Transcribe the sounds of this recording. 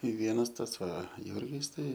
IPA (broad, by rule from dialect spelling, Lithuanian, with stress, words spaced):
ɪ ˈʋʲiɛnɐs ˈtɐs ˈʋɐ ˈjʊrʲɡʲɪs tɐɪ